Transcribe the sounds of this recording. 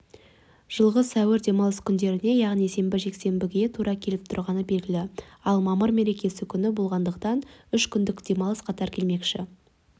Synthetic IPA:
ʒ̥əlˠʁəsæwɪɾd̪e̞mɑlˠəskʲʰʏnd̪e̞ɾɪne̞jɑʁnise̞mbɪʒe̞kse̞mbɪɡʲet̪ʰuɾɑkʲʰe̞lɪp̚t̪ʰʊɾʁɑnəbe̞lɡʲɪlɪɑlˠmɑməɾme̞ɾe̞kʲe̞sɪkʲʰʏnɪbo̞lˠʁɑnd̪əqt̪ɑnʏʃkʲʰʏnd̪ɪkd̪̥e̞mɑlˠəsqʰɑt̪ɑɾkʲʰe̞lme̞kʃɪ

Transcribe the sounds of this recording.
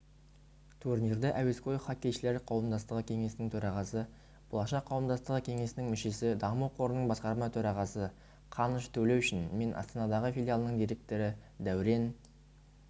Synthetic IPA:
t̪ʰurnird̪eʔæwe̞skʰo̞jχɑkʲːe̞jʃɪle̞ɾqʰɑwəmd̪ɑst̪əʁəkʲʰe̞ŋe̞sɪnɪŋt̪ʰɵɾɑʁɑsə | b̥olˠɑʃɑqʰːɑwəmd̪ɑst̪əʁəkʲʰe̞ŋe̞sɪnɪŋmʏʃe̞sɪd̪ɑmuqʰo̞ɾənəɴbɑsqɑɾmɑt̪ʰɵɾɑʁɑsə | qʰɑnəʃt̪ʰɵle̞wʏʃɪnme̞nʔɑ̰st̪ɑnɑd̪ɑʁəfilʲjalˠənəɴd̪ijɾe̞k̚t̪o̞ɾɪd̪æwɪɾe̞n

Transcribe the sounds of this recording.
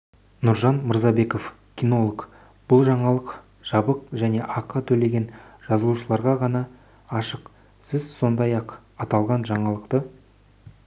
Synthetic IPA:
nʊɾʒɑnməɾzɑbe̞ko̞f | kʲino̞lˠok | b̥ʊlˠʒɑɴɑlˠəq | ʒ̥ɑbəqʒæne̞ʔɑqːət̪ʰɵle̞ɡʲe̞nʒ̥ɑzəlˠuʃəlˠɑɾʁɑʁɑnɑː | ʃəq | sɪzso̞nd̪ɑjɑq | ɑt̪ɑlˠʁɑnʒɑɴɑlˠəqt̪ə

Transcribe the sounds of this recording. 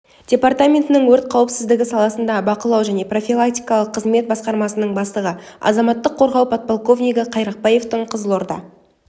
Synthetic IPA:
d̥ʲe̞part̪amʲe̞nt̪ɪnɪŋwɵɾt̪̚qʰɑwəpsɪzd̪ɪɡʲɪsɑlˠɑsənd̪ɑbɑqəlˠɑwʒæne̞pro̞fʲilˠak̚t̪ʲijkɑlˠəqʰːəzme̞t̪̚bɑsqɑɾmɑsənəɴbɑst̪əʁə | ɑ̰zɑmɑt̪ːəqʰːo̞ɾʁɑwpʰɑt̪̚polˠko̞vnʲijɡɪqʰɑjɾɑq̚pɑje̞ft̪əɴqʰəzəlˠo̞ɾd̪ɑ̰

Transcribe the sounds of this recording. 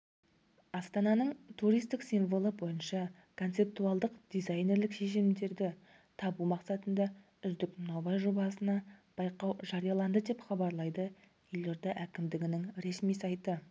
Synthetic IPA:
ɑst̪ɑnɑnəɴt̪ʰuɾijst̪ɪksijnvo̞lˠəbo̞jənʃɑ | kʰo̞nt̪se̞p̚t̪uɑlˠd̪əqd̪̥ijzɑjne̞ɾlɪkʃe̞ʃ̬ɪmd̪e̞ɾd̪ɪ | t̪ʰɑbumɑqsɑt̪ənd̪ɑ | ʏzd̪ɪkmnɑwbɑjʒo̞bɑsənɑb̥ɑjqɑwʒɑɾijɑlˠɑnd̪əd̪e̞pχɑbɑɾlˠɑjd̪ə | eloɾd̪ɑʔækʲɪmd̪ɪɡʲɪnɪŋɾe̞smijsɑjt̪ə

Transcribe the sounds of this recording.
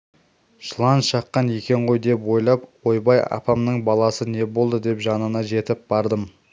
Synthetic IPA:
ʃlˠɑnʃɑqːɑnje̞kʲe̞ɴʁo̞jd̪e̞pwo̞jlˠɑpwo̞jbɑjɑ̰pɑmnəɴbɑlˠɑsəne̞bo̞lˠd̪əd̪e̞pʒɑnənɑʒe̞t̪ɪp̚bɑɾd̪əm

